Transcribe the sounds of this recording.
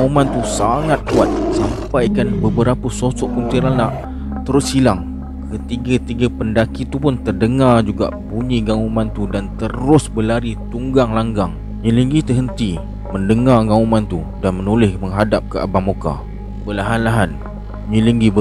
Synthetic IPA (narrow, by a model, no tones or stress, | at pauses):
ɡaumant̪usaŋat̪̚kuat̪̚sampajkanbəbəɾapəsosɔʔkunt̪iɾanaʔ | t̪əɾʊshilaŋ | kət̪iɡat̪iɡapəndakit̪upʊnt̪ərdəŋard͡ʒuɡa̰ʔbuɲiɡaumãnt̪udant̪əɾʊsbəlaɾit̪uŋɡaŋlaŋɡaŋ | ɲiləŋɡit̪əɦənt̪i | məndəŋarɡaumãnt̪udanmənolɪhməŋɦadap̚kəʔa̰bamoka̰ | bəlaɦanlaɦan | ɲiləŋɡibə